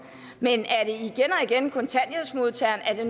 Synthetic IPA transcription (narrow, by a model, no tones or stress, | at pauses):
menæɐɾ̥e̝iɡ̥enɒ̽iɡ̥enkʰɔ̽nt͡sʰænjeðˠsmo̝ðˠt͡sʰæɐ̰næɐd̥e̝n